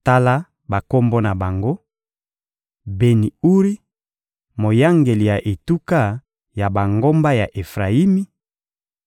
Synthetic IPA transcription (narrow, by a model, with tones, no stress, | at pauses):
ta˦la˦ | ba˨ko˦mbo˦na˨ba˨ŋɡo˦ | be˨ni˨u˦ʁi˦ | mo˨ja˦ŋɡe˨li˨ja˨ʔe˨tu˦ka˦ | ja˨ba˨ŋɡo˦mba˦ja˨ʔe˨fʁa˨i˦mi˦